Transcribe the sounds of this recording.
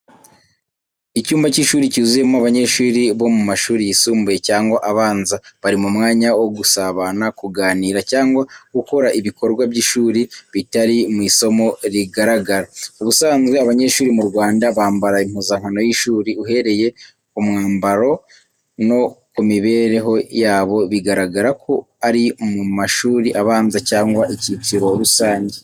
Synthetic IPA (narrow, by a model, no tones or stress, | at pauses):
icuːmbaciʃuːɾicizuje̞moaβaɲe̞ʃuːɾiβo̞mumaʃuːɾijisuːmbuje̞caːŋɡwaʔaβaːnzaβaɾimumŋaːɲawo̞ɡusaβanakuɡaːniːɾacaːŋɡwaɡuko̞ɾaʔiβiko̞ɾɡwabɟiʃuːɾiβitaɾimŋiːso̞mo̞ɾiɡaɾaɡaɾauβusaːnzɡweaβaɲe̞ːʃuːɾimuɾɡwaːndaβaːmbaɾaim̥huzaŋ̥hano̞jiʃuːɾiuɦe̞ɾe̞je̞ | umŋaːmbaɾo̞ | no̞kumiβe̞ɾe̞ɦo̞jaːβo̞βiɡaɾaɡaɾakʰo̞ | aɾimumaʃuːɾiʔaβaːnzacaːŋɡwaʔicitiɾo̞ɾusaːɲɟe